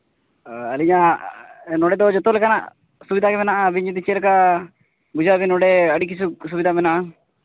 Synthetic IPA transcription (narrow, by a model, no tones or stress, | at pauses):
əliɲa | nɔɽɛd̪ɔd͡ʒɔt̪ɔlɛkana̰ʔ | subid̪ʱakɛmɛnaʔabiɲud̪it͡ʃɛlɛka | bud͡ʒʱabinɔɖɛəɽik̬is̬us̬ubid̪ʱamɛnaʔa